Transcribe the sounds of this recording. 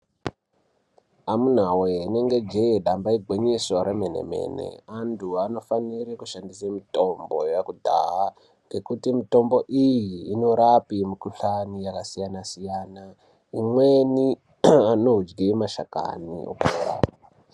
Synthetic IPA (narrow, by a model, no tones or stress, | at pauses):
amun̤aweine̞ŋɡe̞d͡ʒeeɗambaiɡʱweɲiswaɾemenḛme̞̰nḛantʰuano̞fanirikuʃandisamito̞mbo̞̰jakudʱa̰ɦa | ŋɡe̞kutimito̞mbo̞ʔijiːno̞ɾapimikuɬanijakasijanasijaːna | imweni | ano̞ɦud͡ʒɡimaʃaka̰nḭʔo̰koːɾa̰